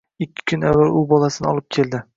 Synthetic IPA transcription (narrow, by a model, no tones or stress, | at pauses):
ɪkʲʰːɪ̥kʲʰʊnavːalʊbɒlˠasɪnɪɒlˠɪp̚kʲʰe̞ld̪ɪ